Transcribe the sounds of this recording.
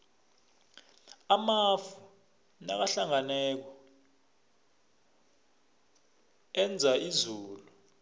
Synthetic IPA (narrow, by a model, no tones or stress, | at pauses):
amafu | na̰k̬aɬaŋanɛːk̬ɔ | ɛnd͡zʱaizuːlu